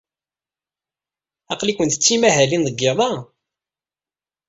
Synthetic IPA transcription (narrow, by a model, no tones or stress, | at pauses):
ɑqlikʷənt̪ə̥t͡sːimæɦælinðəɡːɪðˤɑ